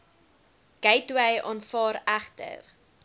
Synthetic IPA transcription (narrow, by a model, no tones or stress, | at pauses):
ɡ̥ɛjtwəjʔɑːnfɑːɾæχtə̰r